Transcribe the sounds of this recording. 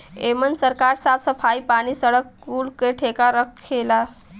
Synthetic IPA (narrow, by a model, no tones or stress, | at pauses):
emənsəɾkaɾsabsəfʰajpaɽ̃iːsəɽəkːuɽkeʈʰekaɾəkʰkela